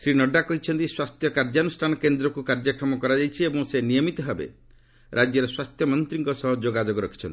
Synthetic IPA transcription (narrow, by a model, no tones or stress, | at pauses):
sɾinɔɖakɔɦit͡ʃʰɔnt̪iswast̪ʰjɔkaɾd͡ʒanusʈʰanɔkend̪ɾɔkukaɾd͡ʒakɾɔmɔkɔɾad͡ʒajt͡ʃʰiebɔŋsenijɔmit̪ɔɦebḛ | ɾʔad͡ʒjɔɾeswast̪ʰjɔmɔnt̪ɾiŋkɔsɔɦɔd͡ʒoɡad͡ʒoɡɔɾɔkʰi̥t͡ʃʰɔnt̪i